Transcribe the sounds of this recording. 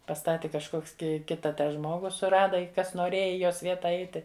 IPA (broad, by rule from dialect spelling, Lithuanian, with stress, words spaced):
pɐˈstɑːtʲɪ kɐʃˈkoːks kʲɪ ˈkʲɪtɐ ˈtɑː ˈʒmoːɡʊ sʊˈrɑːdɐ ɪ ˈkɐs noːˈrʲeːjɛ ɪ ˈjoːs ˈʋʲiɛtɐ ˈɐɪtʲɪ